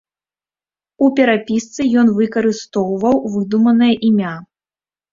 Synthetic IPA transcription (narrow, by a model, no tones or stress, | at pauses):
upʲɛɾapʲist̪sɨjɔnvɨkɐɾɨst̪ɔwvɐwvɨd̪umɐnɐjɐʔimʲa